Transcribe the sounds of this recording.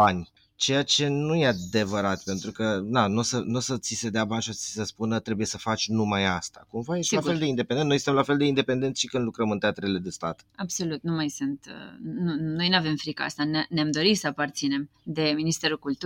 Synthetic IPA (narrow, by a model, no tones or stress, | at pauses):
banʲ | t͡ʃe̞jat͡ʃe̞nuje̞ad̪e̞vəɾat̪pe̞nt̪ɾukənanosənosət̪sise̞d̪eabanʲʃiot̪i̥səspunət̪ɾe̞buje̞səfat͡ʃʲnumajast̪akumvajest̪afeld̪eind̪epeneojsɨt̪əmlafeld̪e̞ind̪epe̞nd̪e̞nt̪sʲʃikɨnd̪lukɾəmɨnt̪eat̪ɾele̞d̪est̪at̪abso̞lut̪numajsɨnt̪nuno̞jnuave̞mfɾikəa̰st̪ananeamd̪o̞ɾit̪səapart̪sine̞md̪e̞minist̪e̞ɾukult̪u